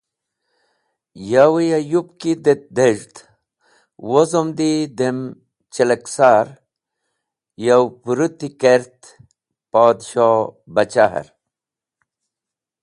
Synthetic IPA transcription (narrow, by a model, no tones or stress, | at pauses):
jawijajupkid̪et̪̚d̪eʐt̪ | wozomd̪id̪em | t͡ɕeleksaːɾ | jawpuɾut̪ikeɾt̪ | paːd̪ɕobɐt͡ɕaɦɐ̰ɾ